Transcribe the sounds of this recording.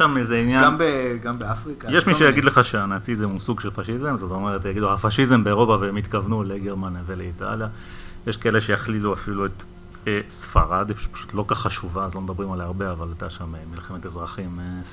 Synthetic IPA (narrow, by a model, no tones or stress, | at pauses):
ʃamezeinjaɡambeafʁikajeʃmiʃejaɡid̪le̞χaʃeanat͡sizemusuɡʃelfaʃizemzot̪aome̞et̪jaɡid̪uhafaʃizembe̞eʁo̞paveemit̪kavnuleɡeʁmaneveleita̰lja | jeʃkaeleʃe̞jaχliluafilue̞t̪ | esfa̰ʁad̪ippḁʃu̥t̪lo̞kaχaʃuvaazlo̞med̪abʁimalajaʁbe̞avalat̪aʃamemilxemet̪ezʁaχim